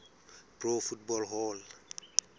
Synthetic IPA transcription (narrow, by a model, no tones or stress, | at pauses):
pɾofut̚bolɦol